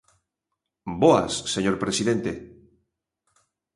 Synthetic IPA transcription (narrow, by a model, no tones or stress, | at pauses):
boa̰sːeɲoɾpɾesiðent̪e